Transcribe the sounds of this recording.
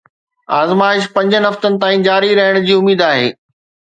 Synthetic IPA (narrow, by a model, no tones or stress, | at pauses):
aːzmaːɪʃpɐ̃ɲd͡ʑənɪɦɐft̪ənɪ̆t̪aːĩd͡ʑaːɾiɾɐɦəɽ̃ʊd͡ʑiːʊmiːd̪aːɦeː